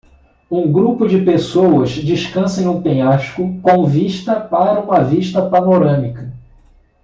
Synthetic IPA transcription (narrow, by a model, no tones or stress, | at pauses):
ũɡɾupʊd͡ʒɪpesowɐzd͡ʒiʃkɐ̃sẽj̃ʊ̃pẽɲaʃkʊkõviʃt̪ɐpaɾɐũmɐviʃt̪ɐpanoɾɐ̃mikɐ